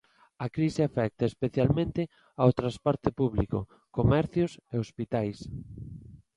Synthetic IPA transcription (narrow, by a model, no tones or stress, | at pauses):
ɐkɾisɪafɛk̚t̪aespeθjalmẽnt̪ɪ | awt̪ɾaspɔɾt̪ɪpuβlḭko̰ | komɛɾθjʊseospit̪ajs